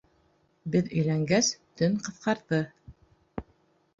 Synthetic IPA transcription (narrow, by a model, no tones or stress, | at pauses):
bɘðɵ̆jlæŋɡæst̪ɵŋqɤ̆θqɑɾðɤ